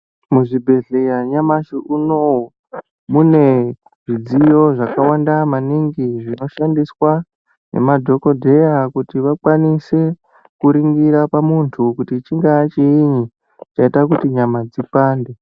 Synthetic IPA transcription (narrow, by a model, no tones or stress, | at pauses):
muʐibʱe̞ɮejaɲamaʃiʔuno | mune̞ | ʐid͡zijo̞ʐakawandamaniŋɡiʐino̞ʃandiswa | ne̞̰madʱo̞ko̞dʱe̞jakutiʋakwanise̞ | kuɾiŋɡiɾapamuntʰukutit͡ʃiŋɡaːt͡ʃiiɲi | t͡ʃaitakutiɲamad͡zipaːnde